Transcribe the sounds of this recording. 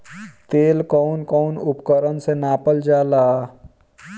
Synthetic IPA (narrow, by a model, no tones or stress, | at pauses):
t̪eːlkɔnkɔʊnʊpkəɾənsenaːpəld͡ʒaːlaː